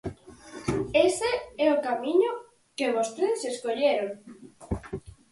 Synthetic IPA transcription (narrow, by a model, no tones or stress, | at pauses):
eseɛokamĩɲo | keβost̪eðeseskoʎeɾoŋ